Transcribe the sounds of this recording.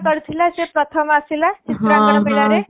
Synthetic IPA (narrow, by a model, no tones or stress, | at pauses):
kəɾt̪ʰilasepɾət̪ʰəmasilat͡ʃit̪ɾakəɽmelaɾe